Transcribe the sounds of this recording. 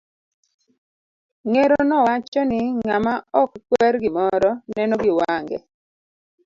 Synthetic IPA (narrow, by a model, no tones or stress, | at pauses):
ŋeɾonɔwat͡ʃɔnɪŋamaɔkːwɛɾɡɪmɔɾɔnɛnɔɡɪwaŋɡɛ̰